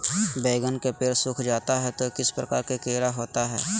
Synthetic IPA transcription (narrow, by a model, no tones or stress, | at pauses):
beːɡənkepeːɾsʊkʰd͡ʒaːt̪aɦɛt̪okɪspɾəkaːɾkekeːɾaɦoːt̪aɦɛ̰ː